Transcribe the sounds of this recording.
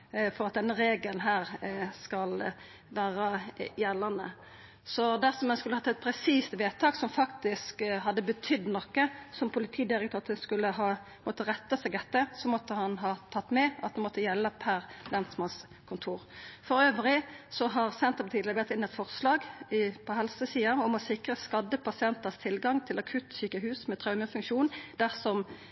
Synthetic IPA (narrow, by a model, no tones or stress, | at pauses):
fɔʁɑt̪̚d̪ɛnːəʁeːɡəlnɦæːʁskɑl | ʋæːʁəjɛlːənə̰ | sɔd̪æʁsɔmɛnskʉləhɑt̪ːɛt̪̚pʰɾɛsiːst̪ʋeːt̪ʰɑːksɔmfɑkt̪ɪskɦɑd̪ːəbət̪ʰʏd̪ːnɔkːəsɔmpʰʊlɪt̪ʰiːd̪ɪʁɛk̚t̪ʰøːt̪əskʉlːəɦɑː | mɔt̪ːəʁɛt̪ːəsɛɡd̪ɛt̪ːəsɔmɔt̪ːəhɑnɦɑːt̪ʰɑt̪ːmɛʔɑt̪̚d̪ɛmɔt̪ːəjɛlːəpʰæʁlɛnt̪smɑns | kʰʊnt̪ʰuːʁfɔʁøːʋəlɪsɔɦɑʁsɛnt̪əpt̪ʰiːd̪əbɛʁt̪ɪnːɛt̪fɔʁslɑːɡpʰɔɦɛlsəsiːɑɔmɔsɪkʁəskɑd̪ːəpʰɑsɪɛnt̪əst̪ʰɪlɡɑŋt̪ʰɪlɑkʰʉt̪ːsyːkəhʉːsmɛt̪ʰʁɑʉməfʉŋkʃuːnd̪̥æʁsɔm